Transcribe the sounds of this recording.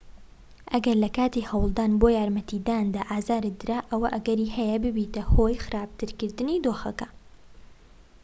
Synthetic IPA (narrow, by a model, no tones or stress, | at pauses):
ʔɐɡɐɾlɐkaːt̪ihɐwlˠd̪aːnboːjaːɾmɐt̪id̪aːnd̪aːʔaːzaːɾɨd̪ɨɾaːʔɐwɐʔɐɡɐɾiːhɛjɐbɨbiːt̪ɐhoːjxɨɾaːb̚t̪ʰɨɾkɨɾd̪ɨnid̪oːxɐkɐ